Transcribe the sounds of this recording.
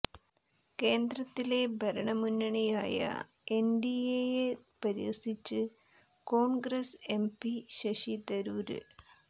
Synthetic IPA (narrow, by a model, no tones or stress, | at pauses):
ke̞ːnd̪ɾɐt̪ːile̞bʱɐɾɐɳɐmunːɐɳijaːjɐ̰ | enɖijejepɐɾiʋɐ̰sit͡ɕːɨ | ko̞ːɳɡɾɐse̞mpiɕɐɕit̪ɐɾuːɾɨ̰